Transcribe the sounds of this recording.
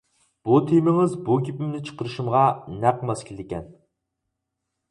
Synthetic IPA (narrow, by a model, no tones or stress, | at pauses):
b̥ut̪ʰimɪŋɪzbukʲʰipɪmnɪt͡ʃʰə̥qəɾɨʃumʁɑnæqmɑskʲʰild̪ɪkʲɛn